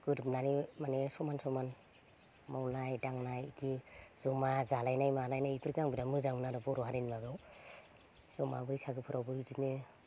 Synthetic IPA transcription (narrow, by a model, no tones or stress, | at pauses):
ɡ̥ɯɾpnanimanesɔmansɔman | mawnajdaŋnajɡiz̥ɔmazalajnajmalajnajipʰiɾɡaŋbiɾamɯzaŋmnaɾɯbɔɾɔɦaɾinlaɡɯw | z̥ɔma̰bɯɾisaɡɯpʰɯɾawbɯizine